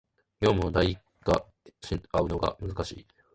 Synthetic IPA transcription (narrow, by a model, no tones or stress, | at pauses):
ɡ̥ʲo̞ːmɯ̟od̪aiikːa | ɕiaɯ̟no̞ɡa̰mɯ̟zɨkaɕḭː